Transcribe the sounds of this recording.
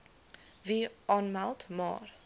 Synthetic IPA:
viʔɑːnmalˠtmɑ̰ːr

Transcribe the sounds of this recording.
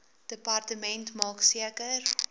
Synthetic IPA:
d̥əpɐrtəmɛntmɑːksiəkər

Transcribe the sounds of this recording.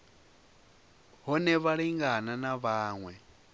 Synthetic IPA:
ɦɔnɛβaɺiŋɡananaβaːŋwɛ

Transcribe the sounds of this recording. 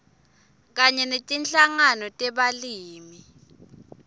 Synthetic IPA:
k̬aɲɛnetʼinɬaŋanɔtʼɛɓaliːmi

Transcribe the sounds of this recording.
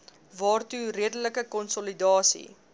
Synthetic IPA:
vɑːrtuɾiədələkəkɔnsɔlidɑːsḭ

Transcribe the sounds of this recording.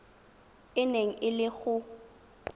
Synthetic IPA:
ɪneŋ̩ʔɪlɪɣʊ

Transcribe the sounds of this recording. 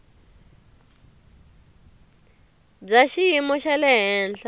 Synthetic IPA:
b͡ʐaʃiimɔʃalɛɦɛːnɬʰa

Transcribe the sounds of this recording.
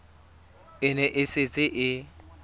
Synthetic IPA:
ɪnɛʔɪsɪt͡sʼɪʔɪ

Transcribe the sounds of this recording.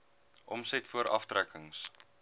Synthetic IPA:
ʔɔmsɛtfuəɾʔɐ̰ftrækəŋs

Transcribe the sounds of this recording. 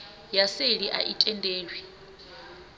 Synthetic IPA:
jaseliʔa̰ʔitʼɛndʼeːlwi

